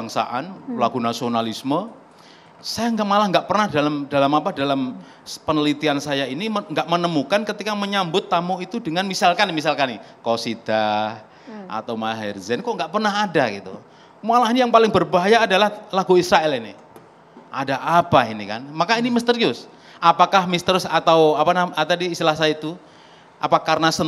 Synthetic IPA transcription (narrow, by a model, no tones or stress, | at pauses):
baŋsa̰ʔanlaɡunasionalismə | sajaŋɡaʔmalahŋɡaʔpərnahdalamdalamapadalam | pənəlit̪iansajainiŋɡaʔmənəmukankət̪ikaməɲambʊt̪ːamoit̪udəŋanmisalkanmis̬alkanɪ | kosida | ʔa̰t̪awmaɦɛrzɛnkɔŋɡaʔpərnaɦadaɡit̪ṵ | mualaɦinijaŋpalɪŋbərbaɦajaːdalahlaɡuisɾaɛlinḭ | ʔadaʔapainika̰nmakainiməst̪əɾiʊs | ʔapakahmist̪əɾʊsat̪awapanaat̪adiːst̪ilahsajait̪u | ʔa̰pakarnasən